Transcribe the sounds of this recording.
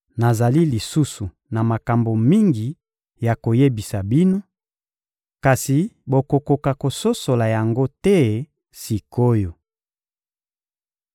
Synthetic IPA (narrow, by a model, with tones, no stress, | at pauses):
na˨za˨li˦li˨su˦su˨ | na˨ma˨ka˨mbo˨mi˦ŋɡi˨ | ja˨ko˨je˦bi˨sa˨bi˦no˦ | ka˨si˨bo˨ko˨ko˨ka˨ko˨so˦so˨la˨ja˨ŋɡo˦tɛ˦ | si˨ko˦jo˨